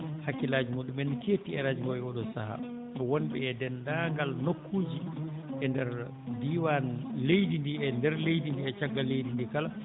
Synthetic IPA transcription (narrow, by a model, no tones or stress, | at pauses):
hakːilaːd͡ʒumoɗumɛnːiketiɛɾaːd͡ʒumɡɔɛɔɗɔsaha̰ | ɛwɔnɓɛɛdɛndaŋɡalnokʰːuːd͡ʒiʔɛndɛɾ | diwanlejdindiɛndɛɾlejdindiɛt͡ʃaɡːalejdindikala